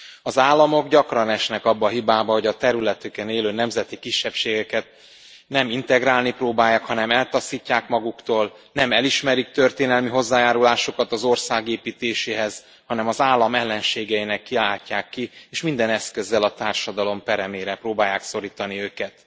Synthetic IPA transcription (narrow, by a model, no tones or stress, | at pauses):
ɒzaːlːɒmo̞ɡɟɒkrɒnɛʃnɛkɒbːɒɦibaːbɒɦo̞ɟɒt̪ɛɾylɛt̪ykɛneːløːnɛmzɛt̪ikiʃːɛpʃeːɡɛkɛt̪ | nɛmint̪ɛɡraːlniproːbaːjaːkhɒnɛmɛlt̪ɒsiːcːaːkmɒɡukt̪oːlnɛmɛliʃmɛɾik̚t̪ørt̪eːnɛlmiɦo̞zːaːjaːɾulaːʃo̞kɒt̪ɒzo̞rsaːɡeːpiːt̪eːʃeːɦɛz̥ | hɒnɛmɒzaːlːɒmɛlːɛnʃeːɡɛinɛkːilaːcːaːkːieːʃmind̪ɛnɛskø̞zːɛlɒt̪aːrʃɒd̪ɒlo̞mpɛɾɛmeːɾɛproːbaːjːaːkso̞ɾiːt̪ɒniøːkɛt̪